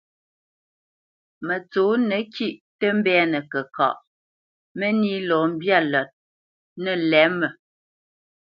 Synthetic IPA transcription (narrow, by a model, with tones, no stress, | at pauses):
mə˨t͡soː˨˦nə˨kʰi˦˨ʔtə˦m̩˦bɛ˦nə˨kə˨ka̰˨ʔ | mə˦ni˦lɔː˨m̩˦bja˦lɔ˨t̚ | nə˨lɛ˨˦mə˨